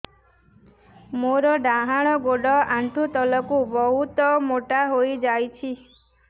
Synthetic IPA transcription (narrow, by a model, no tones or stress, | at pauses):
moɾɔɖaɦaɽ̃ɔɡoɖɔaɳʈʰut̪ɔlɔkubɔɦut̪ɔmoʈaɦojd͡ʒajt͡ʃʰi